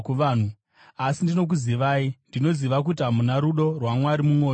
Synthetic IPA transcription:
kuʋaːn̤u | asindino̞k̬uziʋaːindino̞ziʋak̬ut̬amunaɾuɗo̞rwamwaɾimuŋo̞ː

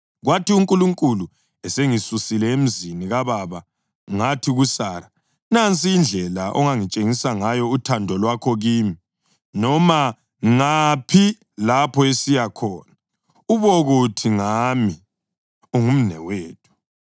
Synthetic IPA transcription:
ɣwatʰiuŋkʼuluŋkʼulu | ɛseŋisusilɛem̩ziniɣaβaβa | ŋatʰiɣusaɾa | nant͡sʼiːnd͡ɮʱɛlaʔɔ̰ŋaŋit͡ʃʼeŋisaŋajɔutʰandʱɔlwakʰɔɣiːmi | nɔma | ŋapʰi | lapʰɔesijakʰɔːna | uβɔɣutʰiŋami | uŋum̩nɛ̰weːtʰu̥

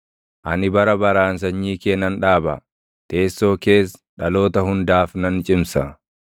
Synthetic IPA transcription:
ʔɐnɪbɐɾɐbɐɾaːns̬ɐɲːiːkeːnːɐnᶑaːbɐ̰ | t̪e̞ːsːo̞ːke̞ːsᶑɐlo̞ːt̪ɐhʊnd̪aːfnɐnt͡ʃʼɪmsɐ

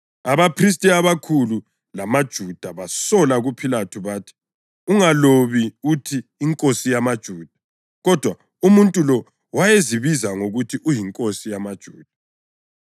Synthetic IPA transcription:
aβapʰris̬tʼiaβakʰulu | lamad̥ʒ̥ʱud̥ʱaβasɔlaɣupʰilatʰuβatʰi̥ | uŋaloβiutʰiːŋkʼosijamad̥ʒ̥ʱuːd̥ʱḁ | ɣɔd̥ʱwa | umuntʼulɔ | wajeziβizaŋoɣutʰiʔujiŋkʼosijamad̥ʒ̥ʱuːd̥ʱa

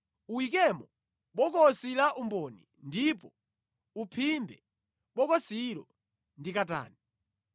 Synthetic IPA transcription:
uwik̬ɛmɔ | ɓɔkɔsilaʔumbɔni | ndipɔ | upʰimbɛ | ɓɔkɔsiɾɔ | ndikata̰ːni

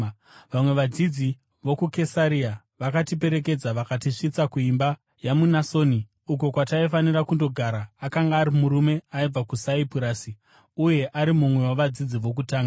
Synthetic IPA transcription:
ʋamwe̞ʋad͡zid͡zi | ʋo̞kukesaɾia | ʋakatip̬e̞ɾe̞k̬e̞d͡zaʋakatiʂit͡sakuimba | jamunaso̞ːni | uko̞kwataifaniɾakundo̞ɡʱaɾaːkaŋɡaːɾimuɾume̞aib͡vakusaipuɾaːsi | uje̞ʔaɾimumwe̞waʋad͡zid͡ziʋo̞k̬utaːŋɡa

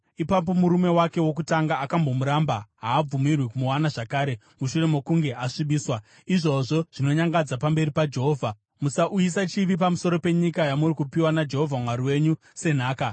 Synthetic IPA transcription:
ipap̬o̞muɾume̞wake̞wok̬utaŋɡaʔːkambo̞muɾambaɦaːb͡vumirwikumuwanaʐakaːɾe̞ | muʃure̞mo̞kuŋɡe̞ʔaʂiɓiːswa | iʐo̞ʐo̞ʐ̥ino̞ɲaŋɡad͡zapambe̞ɾipad͡ʒe̞ɦo̞ːvʱa | musaʔujis̬at͡ʃiʋip̬amusoɾo̞pe̞ɲikajamurikupiwanad͡ʒe̞ɦo̞vʱamwaɾiwe̞ɲu | se̞n̤aːka

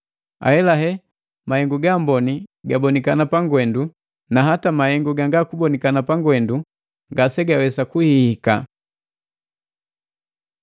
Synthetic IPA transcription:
a̰ɛlaɦɛ | mahɛŋɡuɡambɔniɡabɔnikanapaŋɡwɛndu | naɦatamahɛŋɡuɡaŋɡakubɔnikanapaŋɡwɛndu | ŋɡasɛɡawɛsakuhihika̰

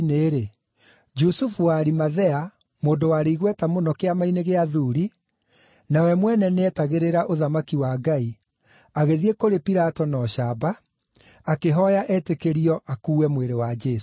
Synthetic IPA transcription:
neːɾe | d͡ʒusufuwaːɾimaðɛa | moːndowaɾeiɣwɛtamonɔkeamaineɣeaðuɾi | nawɛmwɛnɛneɛtaɣeɾeɾaʔoðamakiwaːɡai | aɣeðiekoɾepiɾatɔnɔɕabaː | keɦɔjaʔɛtekeɾiɔʔakuːwɛmweɾewad͡ʒɛːs

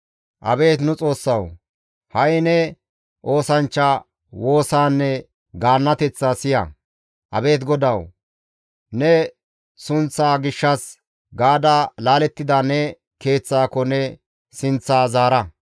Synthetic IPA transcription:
ʔɐbe̞ːt̪nʊt͡sʼo̞ːsːɐw | hɐjnɛ | ʔo̞ːsɐnt͡ʃːa | wo̞ːsaːnːɛ | ɡaːnːɐt̪ɛt͡sːasɪjɐ̰ | ʔɐ̰be̞ːt̪ɡɔd̪ɐw | nɛ | sʊnt͡sːaːɡɪʃːɐs | ɡaːd̪ɐlaːlɛt̪ːɪd̪ɐnɛ | ke̞ːt͡sːaːkɔnɛ | sɪnt͡sːaːzaːɾɐ

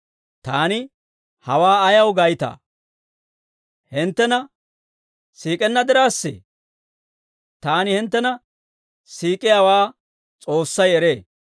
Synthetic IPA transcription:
t̪aːnɪ | hɐwaːɐjɐwɡɐjt̪a̰ː | hɪnt̪ːɛnɐ | siːkʼɛnːɐd̪ɪɾaːsːɛ̰ | t̪aːnɪhɪnt̪ːɛnɐ | siːkʼɪjaːwaː | t͡sʼo̞ːsːɐjɛɾeː

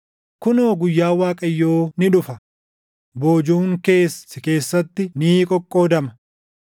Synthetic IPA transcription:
kʊnoːɡʊjːaːwaːkʼɐjːoːnɪᶑʊfɐ | boːd͡ʒuːŋke̞ːsɪke̞ːsːɐt̪ːɪniːkʼɔkʼːo̞ːd̪ɐmɐ̥

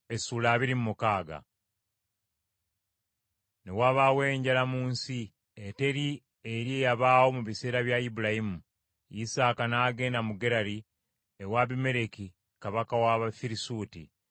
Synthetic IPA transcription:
esuːlaːβiɾimumukaːɡa̰ | ne̞waːβawe̞ːɲɟalamuːnsi | ete̞ɾi | eɾie̞ːjaβaːwo̞muβise̞ːɾaβjaibuɾahimu | jisaːkanaːɡe̞ːndamuɡe̞ɾaɾi | ewaβime̞ɾe̞ki | kaβakawaβafiɾisuːtḭ

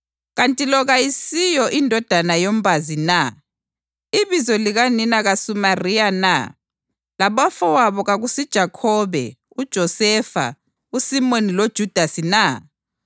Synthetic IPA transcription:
ɣantʼilɔɣajisijɔʔindʱɔd̥ʱanajom̩bʱazina | iβizɔliɣaninaɣasumarijana̰ | laβɔfɔwaβɔɣaɣusid̥ʒ̥ʱakʰɔβɛ̰ | ud̥ʒ̥ʱɔsɛfa̰ | usimonilod̥ʒ̥ʱud̥ʱasina

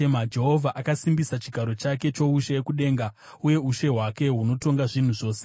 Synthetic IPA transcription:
emad͡ʒe̞ɦo̞vʱaʔakasimbisat͡ʃiɡʱaɾo̞t͡ʃake̞t͡ʃo̞uʃeekuɗe̞ːŋɡa | uje̞uʃe̞ɦwake̞ɦuno̞to̞ŋɡaʐin̤uʐo̞ːse

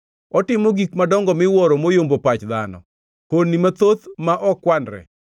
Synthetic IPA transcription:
ɔtɪmoɡikmadɔŋɡɔmɪwɔɾomojombopat͡ʃd̪a̰nɔ̰ | konːimat̪ot̪maʔɔkwanɾɛ̰

